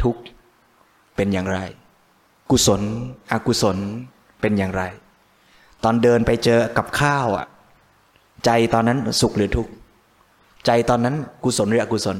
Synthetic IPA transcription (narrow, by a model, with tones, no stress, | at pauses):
t̪ʰu˦˥k̚ | pe˧njaː˨˩ŋɾa˧j | ku˧˩so˩˦nʔa˨˧˩ku˧˩so˨˩˦n | pe˧njaː˨˩ŋɾa˧j | t̪ɔː˧ndɤː˧npa˧jt͡ɕɤː˧ka˨˩p̚kʰaː˥˩wʔa̰˨˩ | t͡ɕa˧jt̪ɔː˧nːa˦˥nsu˨˩k̚ɾɯː˩˦ət̪ʰu˦˥k̚ | t͡ɕa˧jt̪ɔː˧nːa˦˥nku˧˩so˩˦nɾa˧ku˧˩so˩˦n